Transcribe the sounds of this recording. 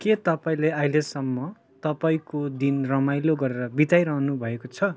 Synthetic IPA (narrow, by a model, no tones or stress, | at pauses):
ket̪ʌpaĩleailesʌmːʌ | t̪ʌpaĩkod̪inrʌmajloɡʌɾeɾʌbit̪ajɾʌɦnubʱʌekot͡sʰʌ